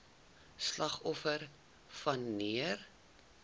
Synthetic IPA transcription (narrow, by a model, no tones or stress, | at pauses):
slɐχɔfər | fɐnːiər